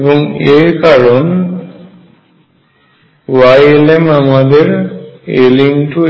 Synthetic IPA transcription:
bɔŋeɾkaɾon | wajelemamad̪eɾeliŋʈu

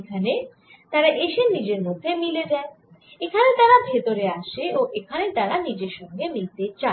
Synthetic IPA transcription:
ekʰane | t̪aɾaʔeʃenid͡ʑeɾmod̪ʱːemiled̪ɛ | ekʰanet̪aɾabʱet̪oɾeaʃeoʔekʰanet̪aɾanid͡ʑeɾʃɔŋɡemilt̪et͡ɕa

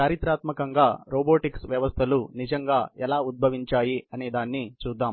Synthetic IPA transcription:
kaːɾit̪ɾaːt̪mɐkɐŋɡaːɾoːboːʈiksʋjɐʋɐst̪ʰɐlunid͡ʒɐŋɡaːɛlaːud̪̚bʱɐʋiɲt͡ʃaːjiɐnid̪aːnːit͡ʃuːd̪ːaːm

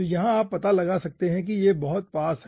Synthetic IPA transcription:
jɐɦãaːpːɐt̪alɐɡasɐk̚t̪eɦɛ̃k̬ijebɐɦʊt̪̚paːsɦ

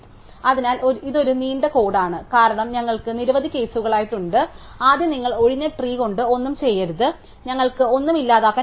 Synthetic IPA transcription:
ɐðinaːlʔoiðo̞ɾuniːɳɖɐko̞ːɽaːɳɨkaːɾɐɳɐmɲɐŋːɐɭkɨniɾuʋɐðʱikʲːe̞ːsuɣɐɭaːjiʈːuɳɖɨ | aːd̪jɐniŋːɐɭo̞ɻiɲːɐʈriːko̞ɳɖɨo̞nːumt͡ɕe̞jːɐɾuðɨ | ɲɐŋːɐɭkɨo̞nːumilːaːðaːkːaː

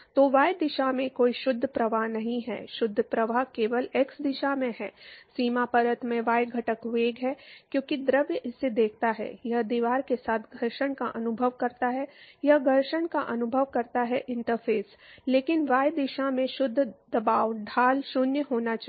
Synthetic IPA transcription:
t̪oːʋaːjd̪ɪʃamẽkoːiʃʊd̪ʱːpɾɐʋaɦnɐɦĩɦɛ̰ːʃʊd̪ʱːpɾɐʋaɦkeːʋəleksd̪ɪʃamẽɦɛːsiːmapɐɾət̪mẽʋaːjɡʱɐʈəkʋeːɡɦɛːkjõːkid̪ɾəʋjəʔɪsːed̪eːkʰt̪aɦɛ̰jɐɦd̪iːʋaːɾkesaːt̪ʰɡʱɐɾʃəɽ̃ka̰ʔɐnʊbʱəʋkɐɾt̪aɦɛjɐɦɡʱɐɾʃəɳkaʔɐnʊbʱəʋkɐɾt̪aɦɛʔɪ̃ɳʈəɾpʰeːs | leːkɪnʋaːjd̪ɪʃamẽʃʊd̪ʱːd̪ɐbaːʋɖʱaːlʃʊnjəɦoːnat͡ʃa

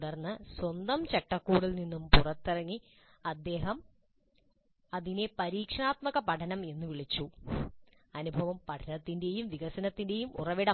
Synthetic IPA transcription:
ɽɐrnːɨswond̪ɐmt͡ɕeʈːɐkːuːɽilninːumpurɐt̪ːirɐŋːi | ɐd̪ːe̞ːɦɐm | ɐðinepɐɾiːkʂɐɳaːt̪mɐɣɐpɐʈʰɐnɐme̞nːuʋiɭit͡ɕːu | ɐnubʱɐʋɐmpɐʈʰɐnɐt̪ːinde̞jumʋiɣɐsɐnɐt̪ːinde̞jumṵrɐʋiɽɐ

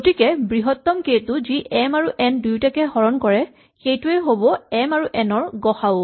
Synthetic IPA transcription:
ɡotikɛbɹiɦɔtːɔmketʊziʔɛmaɹuʔɛndujtakɛhɔɹɔnkɔɹɛ | xejtuɛɦobɔɛmaɹuʔɛnɔɹɡɔxaʊ

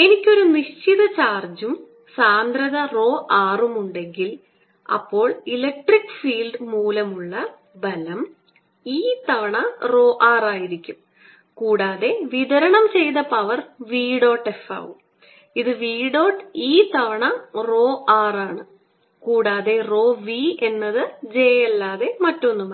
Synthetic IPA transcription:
e̞nikʲːo̞ɾuniɕt͡ɕiðɐt͡ɕaːrd͡ʑum | saːnd̪ɾɐðɐro̞ːʔaːrumuɳɖe̞ŋɡil | ɐ̰pːo̞ːɭilɐk̚ʈrikːɨ̥fiːlɖɨmuːlɐmuɭːɐ | bɐlɐm | iːt̪ɐʋɐɳɐro̞ːʔaːraːjiɾikʲːum | kuːɽaːðe̞ʋiðɐɾɐɳɐmt͡ɕe̞jðɐpːɐʋɐrʋiːɖo̞ːʈːe̞fa̰ːʋum | iðɨʋiːɖo̞ːʈːiːt̪ɐʋɐɳɐro̞ːʔaːraːɳɨ | kuːɽaːðe̞ro̞ːʋie̞nːɐðɨd͡ʑe̞elːaːðe̞mɐtːo̞nːumɐ

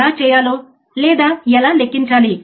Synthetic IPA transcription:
aːt͡ʃɛːjaːloː | lɛːd̪aːɛlaːlekːiɲt͡ʃaːli

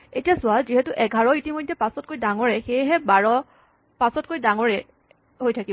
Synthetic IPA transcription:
etijasʊwalziɦɛtʊʔɛɡʱaɹɔitimojdʱːɛpasɔt̚kojdaŋɔɹɛxejɦɛbaɹɔ | pasɔtkojdaŋɔɹɛ | ɦojtʰaki

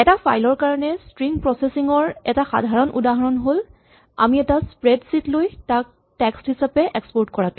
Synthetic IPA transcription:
ɛtapʰajlɔɹkaɹɔnɛstɹiŋpɹɔsesiŋɔɹɛ̰taxa̰dʱaɹɔnʔṵdaɦɔɹɔnɦol | a̰miɛtaspɹedsitlojtak̚ | tɛksthisapɛʔɛkspɔɹtkɔɹatʊ̃

